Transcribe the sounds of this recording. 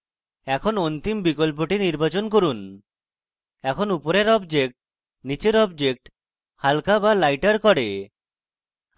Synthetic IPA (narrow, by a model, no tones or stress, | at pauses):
ɛkʰonont̪imbikolp̬oʈiniɾbat͡ɕonkoɾun | ɛkʰonupoɾeɾɔbd͡ʒek̚ʈ | nit͡ɕeɾɔbd͡ʒek̚ʈ | halkabalajʈaɾkɔɽe